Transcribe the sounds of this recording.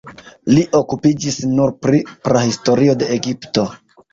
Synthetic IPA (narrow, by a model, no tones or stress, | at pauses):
liʔo̞kupid͡ʒisnuɾpɾipɾahisto̞ɾio̞de̞eɡipto̞